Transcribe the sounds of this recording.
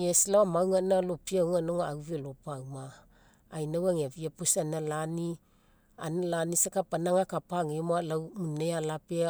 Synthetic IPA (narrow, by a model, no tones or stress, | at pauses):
eslawamawŋanalopiawŋanoŋawvelopawmaː | jnawaŋeviapusanalani | a̰nalanisakapanaŋakapaŋemoalawmunejalape